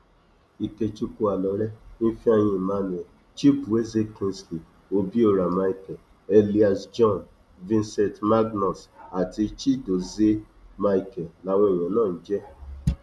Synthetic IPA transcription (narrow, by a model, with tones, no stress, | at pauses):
i˨ke˧t͡ʃu˧ku˧a˨lɔ˨˦ɾɛ˦n̩˦fi˦a˧j̃ĩ˧i˨mã˧˦nũ˨ɛ˨ | t͡ʃi˦bu˨e˦ze˦kĩ˧nsli˨ | o˧bi˦o˦˨ɾa˨ma˧i˨kɛ˨ | e˦˧li˦a˨sd͡ʒɔ̃˦˨n | vĩ˦nsɛ̃˨tma˦ɡnɔ˨sa˨ti˧t͡ʃi˦˨do˨ze˦ | ma˧i˧kɛ˨la˨˦w̃ɔ̃˧i˨jɔ̃˨˦nãː˦˨n̩˦d͡ʒɛ˦